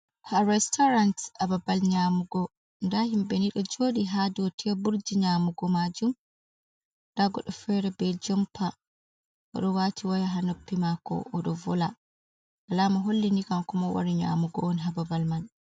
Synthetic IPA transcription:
haɾɛstɔɾantababalɲamuɡɔ | ndahimbɛniɗɔd͡ʒoːɗiɦadɔtʰɛbuɾd͡ʒiɲamuɡɔmad͡ʒum | d̥aɡɔɗɔfɛɾɛbɛd͡ʒɔmpʰa | ʔɔ̰ɗɔwaːtʰiwajaɦanopːimakɔ̰ʔɔɗɔvɔla | ʔalamaɦolːinikankɔmɔwa̰ɾiɲa̰muɡɔɔnɦababalman

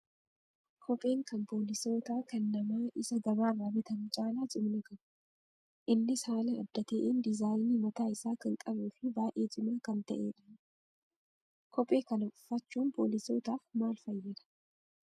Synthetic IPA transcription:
kʰɔpʼe̞ːŋkɐnpo̞ːlɪso̞ːt̪aːkɐnːɐmaːʔɪsɐɡɐbaːrːaːbɪt̪ɐmt͡ʃʼaːlaːt͡ʃʼɪmnʊkɐ | ʔɪnːɪshaːlɐɐd̪ːɐt̪eʔend̪ɪzaːjniːmɐt̪aːɪsaːkɐŋkʼɐbuːfɪbaːjʔe̞ːd͡ʒɪmaːkɐnt̪ɐ̰ʔe̞ːᶑɐ̥ | kʰɔpʼe̞ːkɐnɐʊfːɐt͡ʃːuːnpo̞ːlɪso̞̰ːt̪aːfmaːlfɐjːɛᶑ̪ɐ̥

